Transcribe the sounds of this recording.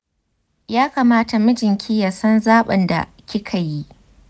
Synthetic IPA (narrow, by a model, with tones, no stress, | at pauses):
jaː˦kaː˨maː˦ta˨mʊ˦d͡ʒɪ˨ŋkʲi˦ja˨sɐ˦nzaː˦ɓɐ˨nda̰˨ | kʲi˦kʰa˨jiː˦ʔ